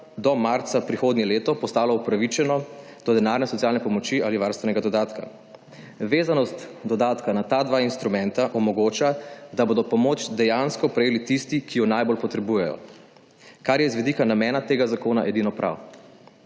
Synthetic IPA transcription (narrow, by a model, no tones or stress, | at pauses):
d̪ɔmaɾt̪sapɾixoːd̪nʲjɛleːt̪ɔpɔst̪aːlɔupɾaʋit͡ʃɛnɔ | d̪̥ɔd̪ɛnaːɾnɛsɔt̪sjaːlnɛpɔmɔt͡ʃialiʋaɾst̪ʋɛnɛɡad̪ɔd̪aːt̪ka̰ | ʋeːzanɔst̪d̪ɔd̪aːt̪kanat̪ad̪ʋainst̪ɾumɛnt̪aʔɔmɔɡoːt͡ʃad̪aboːd̪ɔpɔmoːt͡ʃd̪ɛjanskɔpɾɛjeːlit̪ist̪ikʰijɔnajbolpɔt̪ɾɛbuːjɛjɔ̰ | kaɾjɛzʋɛd̪ikanamɛːnat̪eːɡazakoːnaʔɛd̪inɔpɾʔa̰w